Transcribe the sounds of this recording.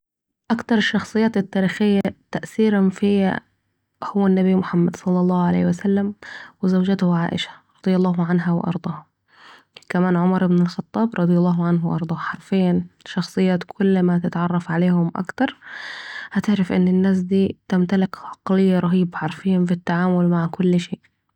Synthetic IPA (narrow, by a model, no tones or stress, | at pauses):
ʔakt̪ɑɾˤɪʃːɑxsˤɨjːaːt̪ɪt̪ːaːɾiːxɪjːat̪aʔθiːɾanfɪjːa̰ | hʊwːanːabimʊħamːad̪sˤɑlːɑlˤːɑːhʊʕalḛːhɪwasalːamwɪzawd͡ʒat̪ʊhʕa̰ːʔɪ̰ʃḁɾˤɑd̪ˤjɑlˤːɑːɦʊʕanɦawɪ̰ʔɑ̰ɾˤd̪ˤɑːh | kamaːnʕʊmɑɾˤʔɪbnɪlxɑt̪ˤːɑːbɾˤɑd̪ˤjɑlˤːɑːɦʊʕanhwʔɑ̰ɾˤd̪ˤɑːħɑɾˤfɪjːanʃɑxsˤɨjːaːt̪kʰʊlːmat̪ɪt̪ʕɑrˤːɑfʕaleːhʊmʔa̰kt̪ɑɾˤ | hat̪ɪʕɾafʔɪ̰nːɪnːaːs̬d̪iːt̪ɪmt̪alɪkʕɑqlɪjːaɾˤɑɦiːbaħɑɾˤfɪjːanfit̪ːaʕaːmʊlmaʕkʊlːʃeːʔ